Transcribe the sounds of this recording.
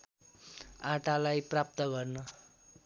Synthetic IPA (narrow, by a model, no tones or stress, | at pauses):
aʈalajprap̚t̪ʌɡʌrnʌ